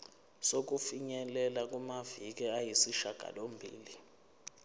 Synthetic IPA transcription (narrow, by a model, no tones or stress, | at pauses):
sok̬ʼufiɲɛlɛlak̬ʼumavik̬ɛajisiʃaɡ̥ʱa̰lombʱḭːli